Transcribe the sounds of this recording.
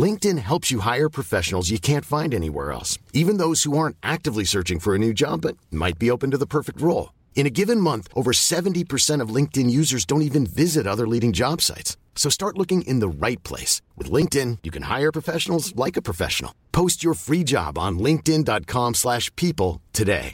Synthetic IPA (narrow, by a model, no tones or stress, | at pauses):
lɪ̃ŋk̚tɨ̃nɦɛlˠpsjɨɦaɪə˞pʰɹ̥ɨfɛʃn̩l̩ˠzjɨkʰæ̃ntfãɪ̃ndɛnḭwɛ̰ɹɛ̰lˠsivɨ̃nðoʊz̥huɑɹ̃ntʔæk̚tɨvlisɜ˞t͡ʃɪ̃ŋfə˞ɨnʉd͡ʒɑ̰bːʌt̚ma̰ɪt̚b̥ioʊpɨ̃n̩tɨðəpʰɜ˞fɨk̚t̚ɹoʊlˠ | ɨ̃nɨɡɪvɨ̃nmʌ̃nθʔoʊvə˞sɛṽn̩tipʰə˞sɛ̃ɾ̃ʌvlɪ̃ŋk̚tɨ̃njʉzə˞zdõʊ̃ntivɨ̃nvɪzɨɾʌðə˞liɾɪ̃ŋd͡ʒɑb̥sa̰ɪtsː | oʊstɑɹtˡlʊkɪ̃ŋʔɪ̃nðəɹaɪt̚pʰl̥ḛɪswɨ̰ðlɪ̃ŋk̚tɪ̃njɨkʰɨ̃nha̰ɪə˞pʰɹ̥əfɛʃn̩l̩ˠzlaɪkɨpʰɹ̥əfɛ̰ʃnl̩ˠpʰoʊst͡ʃə˞fɹid͡ʒɑ̰b̃n̩lɪ̃ŋk̚tɪ̃ndɑt̚kʰɑ̃mslæʃpʰipl̩ˠtʰɨdḛɪ